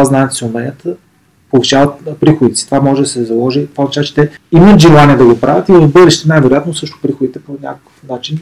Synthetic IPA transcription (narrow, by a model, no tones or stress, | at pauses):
aznaɛt̪sɛʊmɛnʲət̪ | polˠiʃavɐt̪pɾixod̪it̪ɛst̪ovamɔʒɛd̪ɐsɛzɐlˠɔʒit̪ovaɐt͡ʃazt͡ʃɛ̥t̪ɛimət̪ʒɛlˠaniɛd̪ɐɡopɾʔavʲət̪ivəzbɤɾɛʃt̪ɛnajvɛɾojat̪nosɤʃt̪ʊ̥pɾixod̪it̪ɛponʲa̰kəkə̥fnat͡ʃin